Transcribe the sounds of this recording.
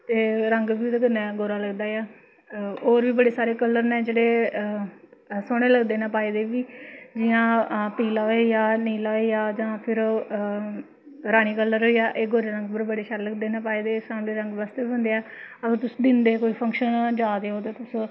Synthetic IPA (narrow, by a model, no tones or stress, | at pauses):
t̪eːɾəŋɡʋiːd̪ekənːɛːɡoːɾaːləɡd̪aːjaː | oːɾʋiːbəɽeːsaːɾeːkəlːəɾnẽːd͡ʒeːɽeː | soːɽ̃eːləɡd̪eːnãːpaːeːd̪eːʋiːd͡ʒɪjãːpiːlaːeːjaːniːlaːejaːd͡ʒãːpʰɪɾ | ɾaːɽ̃iːkəlːəɾoːiːaːʔeːɡoːɾeːɾəŋɡbəɾbəɽeːʃaɾːləɡd̪eːnãːpaːeːd̪eːsaːmleːɾə̃ŋɡʋaːst̪eːbiɦʊ̃nd̪eːɛːəɡəɾt̪ʊsd̪ɪnd̪eːkoːiːpʰəŋkʃənd͡ʒaːd̪eːɦoːt̪eːt̪ʊs